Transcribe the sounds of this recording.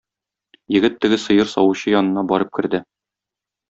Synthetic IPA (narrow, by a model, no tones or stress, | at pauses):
jɘ̆ɡɘt̪ːɘ̆ɡɘsɤ̆jɤɾsɒwɤɕɤjɒnɤ̆nɑbɒɾɤp̚kɘ̆ɾd̪ɘ